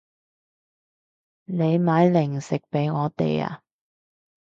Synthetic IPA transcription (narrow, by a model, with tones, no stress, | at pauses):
le˨˧jmaː˨˥jlɪ˨˩ŋsɪ˨k̚pe˨˥jŋɔː˨˧t̪ḛ˨ja̰ː˧